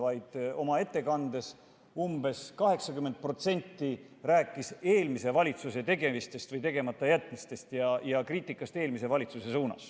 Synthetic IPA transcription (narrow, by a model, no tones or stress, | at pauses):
vɑjd̪̥o̞mɑe̞t̪ːe̞kɑnd̪̥e̞s | umbe̞skɑɦe̞ksɑkymːent̪̚pro̞t̪se̞nʲt̪ːi | ræːkːˑise̞ːlmise̞vɑlʲit̪suse̞t̪e̞ɡe̞mist̪e̞st̪vɤjt̪e̞ɡe̞mɑt̪ːˑɑjæt̪ːˑmist̪e̞st̪jɑjɑkriːt̪ːˑikːˑɑst̪e̞ːlmise̞vɑlʲit̪suse̞suːnɑ̰s